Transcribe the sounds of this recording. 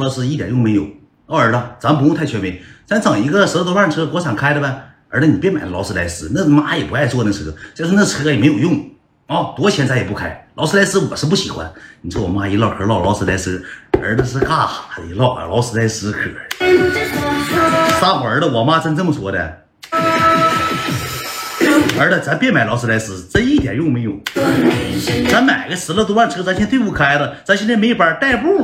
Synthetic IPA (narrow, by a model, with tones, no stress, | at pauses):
lɑ˧˥ʊʂɹ̩˧˥i˥˩t̪jɑ˨˩jʊ˥˩ŋme˧˥njo˨˩ʊ˥˩ | ə˞˧˥tə˧t͡sa˧˥mə˨p̬ʊ˥˧t̪ʰt͡ɕʰɥɛ˧˥nme˧˥ɪsa˧˥nt͡sʰɑ˨˩ŋi˧˥ɡə˧ʂə˧˥ə˧t̪o˧˥lwa˥˩nʈ͡ʂʰɤ˥kwɔ˧˥t͡sʰa˨˩ŋkʰa˥ɪdɾə˧bə˧˩ | ə˞˧˥t͡ɕʰɛ˧˥ni˨p̬jɛ˥˧nma˨˩ɪlə˧lɑ˧˥ʊʂɹ̩˥˧la˧˥ɪʂɹ̩˥nə˥˩˧ma˥jɛ˨˩pu˧˥a˥˧ɪwɔ˥˧˩nə˥˩ʂ̩ʰ˧˥ɤ˧˥t͡ɕa˥˧ʂ̩˥nə˥˩ə˩ʂ̩ʰ˧˥ɤ˧jɛ˨˩me˧˥ɪjo˨˩ʊjʊ˥˩ŋ | ɔ˥˩t̪wɔ˥t͡ɕʰjɛ˧˥nt͡sa˥˩jɛ˨˩pu˥˧kʰa˧˥ɪlɑ˧˥s̩˥la˧˥ɪsɹ̩˥wɔ˨˩ʂɻ̩˥˧p̬u˥˩ɕḭ˨˩xwa̰˧˦nni˨˩t͡sʰɔ˥˩ɔ˨˩ma˥i˧˥lɑ˥˩ʊkʰə˧˥lɑ˥˩ʊlɑ˧˥ʊʂɹ̩˥la˧˥ɪʂɹ̩˥ə̰˞˧˥t̪ə˧ʂ̬̩˧˥˧ka˥˩xa˨˩i˧˥lɑ˥˩˧lɑ˧˥ʊsɹ̩˥˧la˧˥ɪsɹ̩˧˥kʰɤ̰˨˥˧ | sa˥xɔ˨˩ə˞˧˥d̪ə˧wɔ˨˩ma˥t͡sə˥nt͡sə˥˩mə˩swɔ˥d̪ə̰˧ | ə˞˧˥tə˧t͡sa˧˥mpjɛ˥˩nma˨˩ɪlɑ˧˥ʊs̬ɹ̩˧la˧˥ɪʂɹ̩˧˥t͡sə˥ni˥˩t̪jɛ̰˨˩njo˥˩ʊme˧˥ɪjo˨˩ʊ | t͡sa˧˥nma˨˩ɪɡə˦ʂɹ̩˧˥lə˧t̪̬wa˥˩nʈ͡ʂʰt͡sa˧˥nt͡ɕʰɛ˥nt̪we˥˧ɪp̬u˥˩kʰa˥ɪlə˨t͡sa˧˥nɕʰjɛ˥nʰ˥me˧˥ɪjpə˨˧˩t̪a˥˧ɪpu˥˩